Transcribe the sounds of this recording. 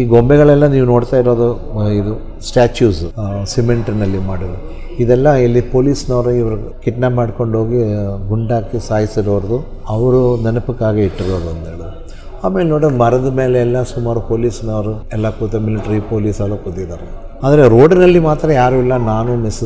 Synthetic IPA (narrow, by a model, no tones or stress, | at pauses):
iːɡombɛɣɐɭɛlːɐniːʋuno̞ːɽt̪aːiɾo̞ːd̪u | id̪u | sʈaːt͡ʃjuːssimeɳʈɾinɐlːimaːɽid̪u | id̪ɛlːɐilːipo̞ːliːsnɐʋɐɾuiʋɐɾukiʈnaːpmaːɽko̞ɳɖɦo̞ːɡiɡuɳɖaːkisaːjisiɾoʋɐɾɐd̪u | ɐʋɐɾunɐnɐpikːaːɡeiʈːiɾoːd̪uɐnd̪eːɭ | aːme̞ːlenoːɽmɐɾɐd̪ɐme̞ːleːlːɐsumaːɾupoːliːsnɐʋɐɾuɛlːɐkuːt̪ːɐmiliʈɐɾipoːliːsɐlːukut̪ːid̪aːɾe | aːd̪ɐɾeɾo̞ːɖnɐlːimaːt̪ɾɐjaːɾuɛlːɐnaːnumis